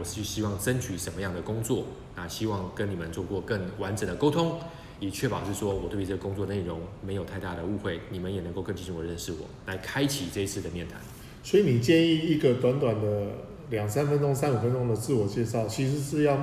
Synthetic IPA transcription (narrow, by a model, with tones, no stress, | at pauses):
wɔ˨˩ʂ̩˥˩t͡ɕʰy˥˩ɕi˥wɑ˥˩ŋʈ͡ʂə˦nt͡ɕʰy˧˥ʂə˧˦nmə˧˦jɑ˥˩ŋd̪ə˩kʊ˥ŋt͡swɔ˥˨ | na˥˨˩ɕi˥wɑ˥˩ŋkə˦˥ni˨˩mə˨nt͡swɔ˥˧kwɔ˥˧kə˥˩ŋwa˧˦˥nʈ͡ʂə˨˩nd̪ə˩ko˥ʊt̪ʰʊ˥ŋ | ɛ˨˩t͡ɕʰɥɛ˥˩pɑ˨˩ʊʂɻ̩˥˩ʂwɔ˦˥wɔ˨˩t̪we˥˩y˧t͡sə˥˩ɡə˩kʊ˥ŋt͡swɔ˥˩dəne˥˩ɪɻʊ˧˥ŋme˧˥ɪjo˨˩ʊt̪ʰɪt̪a˥˩ɾə˩u˥˧xwe˥˩ɪni˨˩mə˦njɛ˨˩nə˧˦ŋko˥˧ʊkə˥˧ŋt͡ɕʰi˥˧ɕi˥ŋwɔ˨˩ɻə˥˧nʂɻ̩˥˩wɔ̰˨˩la˧˥ɪkʰa˥ɪt͡ɕʰi˨˩ʈ͡ʂɤ˥˧i˥t͡s̩ʰ˥˩d̪ə˩mjɛ˥˩nt̪ʰa̰˧˥˦n | swɔ˧˥i˨ni˨˩t͡ɕjɛ˥˧ni˥˧i˧ɡə˨t̪wa˧˥nt̪wa˨˩nd̪ə˦ | ljɑ˨˩ŋsa˦˥nfə˥nʈ͡ʂo˥ŋsa˥nu˨˩fə˦nʈ͡ʂo˥ŋd̪ə˨t͡sɹ̩˥˩wɔ˨˩t͡ɕjɛ˥˧ʂɑ˥˩ʊt͡ɕʰi˧˥ʂ̬ɻ̩˧˦ʂɻ̩˥˧jɑ˥˧ʊ